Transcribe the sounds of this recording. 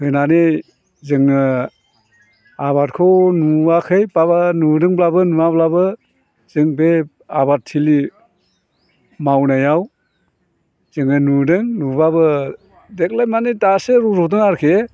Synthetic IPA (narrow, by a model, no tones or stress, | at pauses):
hɯjnani | zɯŋɯ | aβat̚kʰɔnuakʰɯjbabanudɯŋblabɯnuablabɯ | z̥ɯŋbe | abat̚tʰːili | mawnajaw | z̥ɯŋɯnudɯŋnubabɯ | dek̚lajmanitaseɾuɾɔdɯŋaɾkʰe